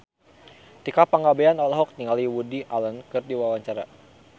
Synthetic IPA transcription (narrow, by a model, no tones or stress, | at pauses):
t̪ikapaŋabeanalɦɔk̚niŋaliwudiʔalənkɨrdiwawaɲt͡ʃaɾa̰